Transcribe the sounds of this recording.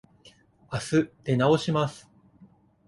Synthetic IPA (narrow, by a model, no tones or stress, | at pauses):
asɨt̪e̞nao̞ɕimasɨ̥